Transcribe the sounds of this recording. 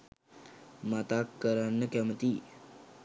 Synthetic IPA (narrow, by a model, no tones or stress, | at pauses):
mat̪akːəɾanːəkɛmət̪iː